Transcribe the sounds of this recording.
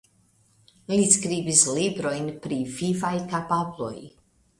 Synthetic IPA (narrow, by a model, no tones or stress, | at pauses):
iliskɾibislibɾo̞jnpɾivivajkapablo̞̰j